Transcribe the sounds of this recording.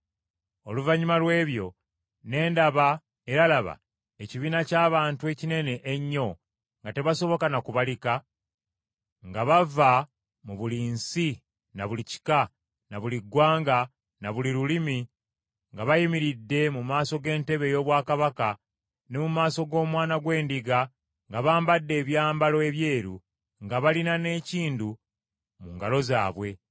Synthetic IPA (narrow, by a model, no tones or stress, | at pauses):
o̞luvaɲumalwe̞ːβjo̞ | ne̞ːndaβa | e̞ɾalaβa̰ | eciβiːnacaːβaːntue̞cine̞ne̞ʔeɲːo̞ | ŋɡate̞βaso̞βo̞kanakuβalika | ŋɡaβava | muβuliːnsi | naβulici̥ka | naβuliɡwaːŋɡa | naβuliɾulimi | ŋɡaβajimiɾidːe̞mumaːso̞ɡe̞ːnte̞βe̞jo̞ːβwaːkaβaka | ne̞mumaːso̞ɡo̞ːmwaːnaɡwe̞ːndiɡa | ŋɡaβaːmbadːe̞ːβjaːmbalo̞eβje̞ːɾu | ŋɡaβalinane̞ːciːndu | muŋɡalo̞za̰ːβwe̞